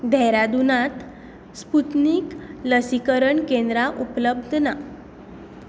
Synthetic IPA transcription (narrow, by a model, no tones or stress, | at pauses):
d̪ʱɛɾad̪unãt̪ | sput̪niːkləsikəɾəɳkẽnd̪ɾaʔupləb̚d̪ʱna